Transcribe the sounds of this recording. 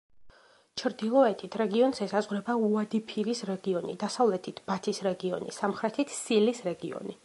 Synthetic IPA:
t͡ʃʰɾd̪ilˠɔɛt̪ʰit̪ʰɾɛɡiɔnzɛsazʁɾɛbauad̪ipʰiɾisɾɛɡiɔnḭd̪asavlɛt̪ʰit̪ʰb̥at̪ʰisɾɛɡiɔ̰nḭsamχɾɛt̪ʰit̪ʰsilisɾɛɡiɔ̰ni

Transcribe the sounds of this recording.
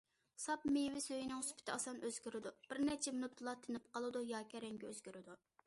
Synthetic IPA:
sɑpmewɪsøjinɪŋsy̥pʰɪ̥t̪ʰɪɑsɑnøz̥ɡʲyɾɪd̪ub̥ɪɾnɛt͡ʃʰɛmnut̪ʰːlˠɑt̪ʰːɪnɪp̚qʰɑlˠɨd̪ujɑkʲʰɛɾɛŋɡʲɛøz̥ɡʲyɾɪd̪u

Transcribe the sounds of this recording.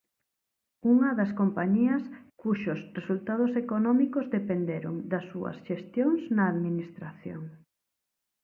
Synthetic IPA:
uŋɐðɐskompaɲiɐskuʃosresult̪að̞ʊsekonɔmikozðepend̪eɾʊ̰ŋd̪ɐsːuɐ̰sʃest̪joŋsnɐːðminist̪ɾaθjo̰ŋ

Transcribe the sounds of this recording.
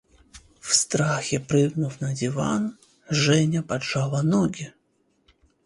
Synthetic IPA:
wst̪ɾaxʲɛpɾɨɣnuwnɐd͡zʲiva̰n | ʐɛnʲɐpat͡ʂalˠɐnɔɡʲi

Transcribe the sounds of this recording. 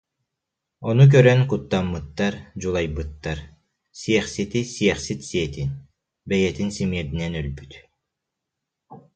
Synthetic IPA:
ɔnuk̬œɾœnkut̪ːamːɯt̪ːaɾd͡ʑulˠajbɯt̪ːaɾ | sijɛχsit̪isiɛχsit̪siɛt̪in | bɛjɛt̪insimiɛt̪inɛnœlbyt̪

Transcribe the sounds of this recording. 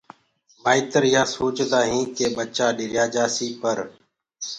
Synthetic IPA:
baːit̪əɾjaːsoːt͡ʃd̪aːɦĩːkeːɓət͡ʃaːɗɪɾjaːd͡ʒaːsiːpəɾ

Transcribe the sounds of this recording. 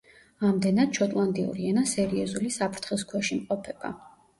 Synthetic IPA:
amd̪ɛnad̪̥̚t͡ʃʰɔt̪ʼlˠand̪ʼiṵɾiɛnasɛɾiɔzulisapʰɾt̪ʰχɛs̬kʰwɛʃimqʼɔpʰɛb̥a̰

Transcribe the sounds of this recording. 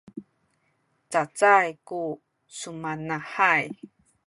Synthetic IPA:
t͡sat͡sajku | sumanaħaj

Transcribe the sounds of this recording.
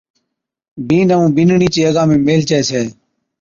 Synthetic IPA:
biːnəʋũːbɪnɳiːt͡ʃiːəɡãːmẽːmeːlt͡ʃeeːseː

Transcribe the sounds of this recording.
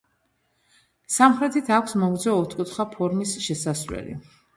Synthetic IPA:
samχɾɛt̪ʰit̪ʰakʷʰsmɔɡd̪zɛːt̪ʰkʼut̪ʰχapʰɔɾmisʃɛsasɾwɛ̰lḭ

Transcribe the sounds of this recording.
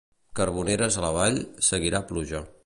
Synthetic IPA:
kəɾβ̞uneɾəzələβ̞aʎsəɣiɾapluʒa

